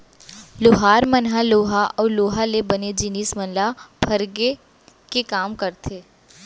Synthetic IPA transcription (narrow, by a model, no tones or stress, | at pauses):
loɦaːɾmənɦaloːɦaʔɔːloːɦalebɐned͡ʒiniːsmənlapʰɐɾɡe | kekaːmkɐɾt̪ʰeː